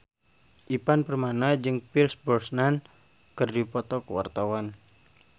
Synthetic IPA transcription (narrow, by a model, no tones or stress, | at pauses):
ʔipanpərmanad͡ʒɨŋpirsbɔrsnan | kərdipɔt̪ɔkuwa̰rt̪awan